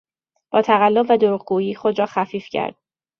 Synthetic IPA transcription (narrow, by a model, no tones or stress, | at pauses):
b̥ɒːt̪ʰæɣælːo̞bvæd̪oɾuːʁ̚ɡuːjiːxod̪ɾɒːxæfiːfcʰæ̰ɾd̪̥̚